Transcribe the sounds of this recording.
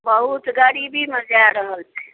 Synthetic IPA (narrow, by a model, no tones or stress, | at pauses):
bəɦut̪ɡaɽibʱiməd͡ʒjaɾəɦəlt͡ʃʰɛ̥